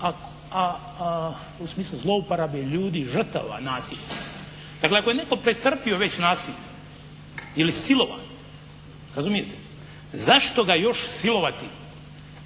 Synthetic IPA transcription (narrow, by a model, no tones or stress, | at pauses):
ak | a | usmiːslˠuzlˠo̞upaɾabijeʎuːd̪iʒr̩t̪a̰ʋa̰naːsiʎa | d̪̥akleakojene̞ko̞pɾet̪r̩pio̞ʋe̞t͡ɕnaːsiʎe | ilisilo̞ʋa̰n | ɾazumijet̪e | zaʃt̪o̞ɡajo̞ʃsilo̞ʋat̪i